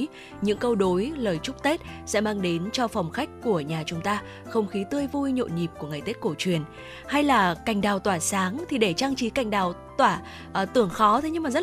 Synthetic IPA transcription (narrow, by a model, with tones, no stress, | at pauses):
ɲɨ̰˧˥ŋkə˧wɗo˨˦jləː˨˩jt͡ɕʊ˦˥k͡p̚t̪e˦˥t̚sɛ̰˧˥maː˧ŋɗe˨˦nt͡ɕɔ˧fa˨˩wŋ͡mxa˦˥jk̟̚ku˧˩əɲaː˨˩t͡ɕʊ˨˦ŋ͡mt̪aː˧ | xə˧wŋ͡mxi˨˦t̪ɨ˧əjvu˧jɲo̰˧˨ɲi˨˩p̚ku˧˩əŋa˨˩jt̪e˦˥t̚ko˧˩t͡ɕwi˨˩ən | ha˧jlaː˨˩ka˨˩jŋ̟ɗaː˨˩wt̪waː˧˩saː˨˦ŋt̪ʰi˨˩ɗe˧˩t͡ɕaː˧ŋt͡ɕi˨˦ka˧˩jŋ̟ɗaː˨˩wt̪waː˧˩ | ʔt̪ɨ˧˩əŋxɔ˨˦t̪ʰe˨˦ɲɨ˧ŋmaː˨˩z̚